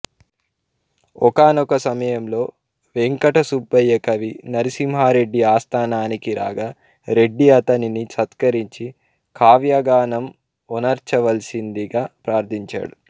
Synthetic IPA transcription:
ɔkaːnɔkɐsɐmɐjɐmlo̞ː | ʋeŋkɐʈɐsubːɐjːɐkɐʋinɐɾisimɦaːɾe̞ɖːiaːst̪ʰaːnaːnikiɾa̰ːɡa | ɾe̞ɖːiɐt̪ɐninisɐt̪kɐɾiɲt͡ʃi | kʰaːʋjaɡaːnɐm | ɔnɐɾt͡ʃɐʋɐlsind̪iɡaːpɾaːɾt̪ʰiɲt͡ʃa̰ːɽu

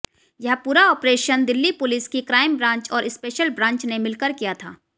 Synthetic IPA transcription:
jɐɦpuːɾaɔːpɾeːʃənd̪ɪlːipʊlɪskikɾaːɪmbɾãːɲt͡ʃɔːɾɪspeːʃəlbɾãːɲt͡ʃnemɪlkəɾkijat̪ʰa̰ː

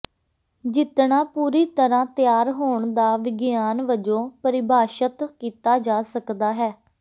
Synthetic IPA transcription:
d͡ʒɪt̪ɳaːpuːɾiːt̪əɾãːt̪ɪjaːɾɦoːɳd̪aːʋɪɡjaːnʋəd͡ʒõːpəɾɪbʱaːʃət̪kiːt̪aːd͡ʒaːsəkd̪aːɦɛː

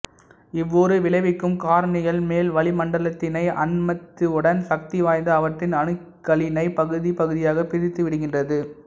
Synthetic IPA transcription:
ɪʋːoːɾɯʋɪlɐɪʋɪkːɯmkaːɾɳɪɣɐɭmeːlʋɐɭɪmɐɳɖɐɭɐt̪ːɪnɐɪʔɐ̰nmɐt̪ːɯɯɽɐnsɐk̚t̪ɪʋaːjnd̪ɯɐʋɐʈrɪnɐnɯkːɐɭɪnɐɪpɐɣɯðipɐɣɯðɪjaːɣɐpɪɾɪt̪ːɯʋɪɽɯɣɪndrɐðɯ

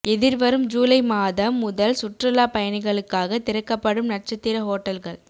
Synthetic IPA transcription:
ɛðɪɾʋɐɾɯmd͡ʒuːlɐɪmaːðɐmːʊðɐlsʊʈrɐlaːpɐjɐnɪɣɐɭɯkːaːɣɐt̪ɪɾɐkːɐpːɐɽɯmnɐrt͡ʃɐt̪ːɪɾɐɦoːʈːɐlɣɐɭ

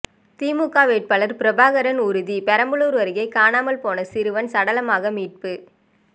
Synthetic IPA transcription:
t̪iːmukːaːʋeːʈ̚pɐlɐɾpɪɾɐbaːɣɐɾɐnʊɾɯðipɛɾɐmbɯɭuːɾʋɐɾɯɣɐɪkaːnaːmɐlpoːnɐsɪɾɯʋɐnsɐɽɐlɐmaːɣɐmiːʈ̚pɯ

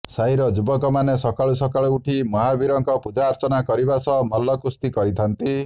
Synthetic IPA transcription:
saɦiɾɔd͡ʒubɔkɔmanesɔkaɭusɔkaɭuuʈʰimɔɦabiɾɔŋkɔpud͡ʒaːɾt͡ʃɔnakɔɾibasɔmɔlːɔkust̪ikɔɾit̪ʰant̪i

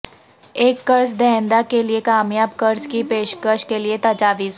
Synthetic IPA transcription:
eːkːɐɾsd̪ɛɦnd̪akeliekaːmjaːbkɐɾskipeːʃkəʃkeliet̪ad͡ʒaːʋiːz

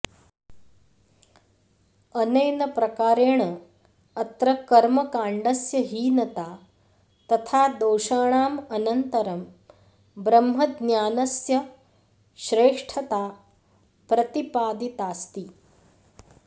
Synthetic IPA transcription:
ɐnɐjnɐpɾɐkaːɾeːɳɐ | ɐt̪ɾɐkɐɾmɐkaːɳɖɐsjɐɦiːnɐt̪aː | t̪ɐt̪ʰaːd̪oːʃaːɳ̃aːmɐnɐnt̪ɐɾɐm | bɾɐmɦɐd̪njaːnɐsjɐ | ʃɾeːʂʈʰɐt̪aː | pɾɐt̪ipaːd̪it̪aːst̪i

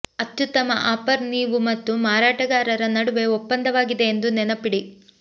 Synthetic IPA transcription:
ɐt̪jut̪ɐmɐ̰ʔaːpɐɾniːʋumɐt̪ːumaːɾaːʈɐɡaːɾɐɾɐnɐɽuʋe̞opːɐnd̪ɐʋaːɡid̪e̞ːnd̪unɛnɐpiɽi

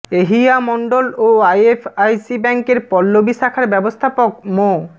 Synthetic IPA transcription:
eɦiamɔɳɖoloajefʰajsibɛŋkeɾpɔlːobiʃakʰaɾbɛbost̪ʰapok̚mo

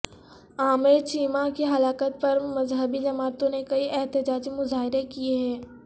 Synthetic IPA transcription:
aːmeɾt͡ʃiːmakeɦɐlaːkət̪̚pɐɾmɐzɦəbid͡ʒɐmaːt̪õnekɐiʔɛɦt̪ɪd͡ʒaːd͡ʒmʊzaːɦɪɾekieɦɛ̃ː

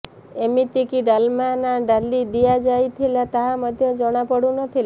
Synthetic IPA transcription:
emit̪ikiɖalmanaɖalid̪ijad͡ʒajt̪ʰilat̪aɦamɔd̪ʱjɔd͡ʒɔɽ̃apɔɽunɔt̪ʰila

